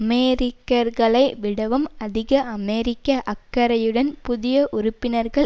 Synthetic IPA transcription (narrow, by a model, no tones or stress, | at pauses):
meːɾɪkːɐɾɣɐɭɐɪʋɪɽɐʋɯmɐðɪɣɐʔɐmeːɾɪkːɐʔɐkːɐɾɐjɯɽɐnpʊðɪjɐʔʊɾʊpːɪnɐɾɣɐɭ